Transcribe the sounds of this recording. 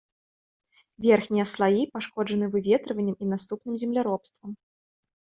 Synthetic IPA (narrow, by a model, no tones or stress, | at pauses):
vʲɛrxnʲijɐslˠajipaʂkɔd͡ʐɐnɨvɨvʲɛt̪ɾɨvɐnʲːɐminast̪upnɨmzʲɛmlʲaɾɔpst̪vɐm